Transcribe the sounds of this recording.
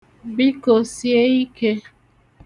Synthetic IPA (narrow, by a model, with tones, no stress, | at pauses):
bi˦ko˨si˦e˦i˦ke˦